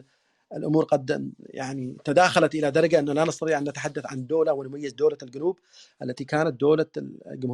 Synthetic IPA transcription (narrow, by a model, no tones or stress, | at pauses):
ʔɪlʔʊmuːɾqɑd̪̰ja̰ʕnit̪ad̪aːxalat̪ʔɪlad̪ɑɾˤɑɡaʔɪnːalanɪst̪ɑt̪iːʕʔanːat̪aħad̪ːaθʕand̪oːlawɪnʊmajːɪzd̪oːlalɡʊnuːb | ʔa̰lːat̪ikaːnat̪̚d̪oːlaɡʊmh